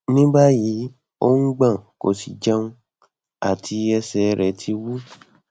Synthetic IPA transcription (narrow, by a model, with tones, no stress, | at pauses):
nĩ˦ba˦ji˨˦ | o˦ŋ̩˦ɡ͡bã˦˨ko̰˨si˨d͡ʒa˦ũ˧ | a̰˨tʰi˧ɛ˧sɛ˨˦ɾɛ˨tʰi˧wu˦